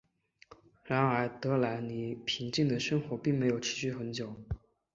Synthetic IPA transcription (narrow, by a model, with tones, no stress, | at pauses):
ɻa˧˥nə˞˧˥t̪ɤ˧˥la˧˥ɪni˨˩pʰi˧˥ŋt͡ɕi˥˩ŋd̪ə˩ʂə˥ŋxwɔ˧˥pi˥˩ŋme˧˥ɪjo˨˩ʊʈ͡ʂʰɻ̩˧˥ɕy˥˩xə˧˥nt͡ɕjo˨˩˦ʊ